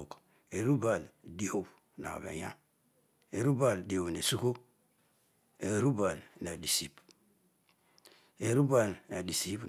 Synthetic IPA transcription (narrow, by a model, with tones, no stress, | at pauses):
k | e˨ɾu˦ba˨ldi˦o˦b | na̰˨bḛ˨ja̰˦ | e˨ɾu˦ba˨ldi˨o˨bne˨su˦ko˦ | e˨ɾu˦ba˨lna˨di˨si˦p | e˨ɾu˦ba˨lna˨di˨si˦p